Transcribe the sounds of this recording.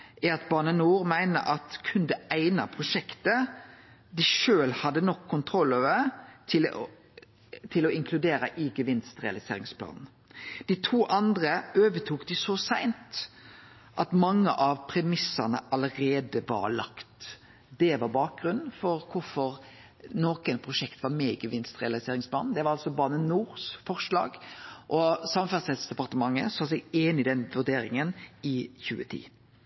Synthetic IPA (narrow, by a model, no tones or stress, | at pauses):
ɛɑt̪̚bɑːɳənuːɾmæɪnə̰ʔɑt̪kʰʉnd̪ɛæɪnɑpʰɾʊʂɛkt̪ə | d̪ɪʃøːlhɑd̪ːənɔkʰːʊnt̪ʰɾɔlːoːʋəɾt̪ʰɪl | t̪ʰɪlɔɪŋkʰlʉd̪eːɾɑʔɪɡəʋɪnst̪ʁɛ̰ɑlɪsḛːɾɪŋspʰlɑ̰ːnn̩ | d̪̥it̪ʰuːʔɑnd̪ɾəøːʋət̪ʰuːkd̪ɪsɔsæɪnt̪ | ʔɑt̪mɑŋːə̰ʔɑʋpʰɾɛmɪsɑnə̰ʔɑləɾeːd̪əʋɑ̰ɾlɑ̰kt̪ | d̪ɛʋɑɾbɑːk̚ɡɾʉnn̩fɔɾkʰʊɾfɔɾ | noːkənpʰʁʊʂɛkt̪ʋɑɾmeːɡəʋɪnst̪ʁɛ̰ɑlɪseːɾɪŋspʰlɑ̰ːnd̪ɛʋɑɾɑlsɔbɑːnənuːɾsfɔʁʂlɑ̰ːɡʔɔsɑmɑfæʁsɛd̪sd̪ɛpɑʁt̪əmɑŋːə̰sɑsɛɡeːnɪd̪ɛnʋʉɾd̪eːɾɪŋənɪçʉ̰ːət̪ʰḭː